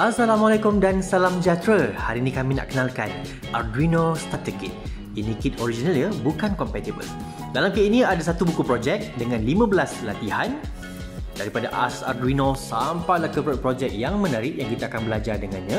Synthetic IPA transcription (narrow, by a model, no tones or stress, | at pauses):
ʔasalamalakʊmdansalamd͡ʒat̪ɾəhaɾinĩkamĩna̰ʔkənalkan | ʔarduinost̪at̪əkit̚ | inikit̪oɾid͡ʒinalɲəbukankɔmpɛt̪ibə̰l | dalamkəinĩadas̬at̪ubukupɾod͡ʒɛk̚dəŋãnlimãbəlaslat̪ihan | daɾipadaʔa̰sa̰rduinõsampajlakəpɾod͡ʒɛk̚jaŋmə̃naɾɪʔjaŋkit̪aakanbəlad͡ʒardəŋanɲã